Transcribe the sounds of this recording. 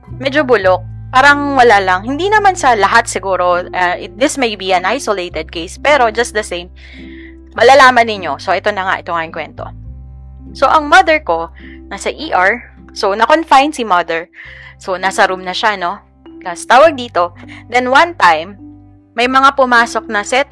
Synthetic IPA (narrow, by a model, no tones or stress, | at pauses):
mɛd͡ʒobʊlok̚ | paːɾɐŋwɐlalɐŋhɪnd̪inɐmansɐlɐɦat̪sɪɡuːɾo̞ʔɐʔɪt̪̚d̪ɪsmejbiɐnajsolejt̪ɛd̪̚kejspɛɾo̞d͡ʒɐst̪̚d̪ɐsejmː | ɐlalaːmɐnːɪɲo̞so̞ʔɛt̪o̞nɐŋa̰ʔɛt̪oŋaʔɪŋkwɛnt̪o̞̰ | so̞ʔɐŋmɐd̪ɛɹko̞nɐsɐʔiʔaɹ | sonɐkonfajnsimɐd̪ɛɹsonaːsɐɾumnɐʃano̞ | kɐst̪aːwɐɡ̚d̪iːt̪o̞d̪ɛnwɐnt̪ajmː | ɐjmɐŋapʊmaːso̞k̚nɐsɛt̪